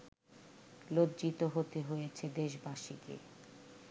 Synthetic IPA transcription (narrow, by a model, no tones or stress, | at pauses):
lod̪d͡ʑit̪oɦot̪eɦojet͡ɕʰed̪eʃbaʃikḛ